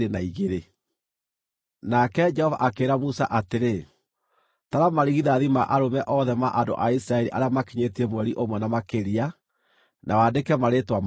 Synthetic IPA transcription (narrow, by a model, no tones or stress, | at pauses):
enaiɣeɾe | nakɛd͡ʒɛhɔva̰ʔakeːɾamusa̰ʔateɾe | taɾamaɾiɣiðaðimaʔaɾomɛʔɔðɛmaʔando̰ʔaisiɾaɛɾiʔa̰ɾeamakiɲetiɛmwɛɾiʔomwɛnamakeɾia | nʔawadekɛmaɾetwam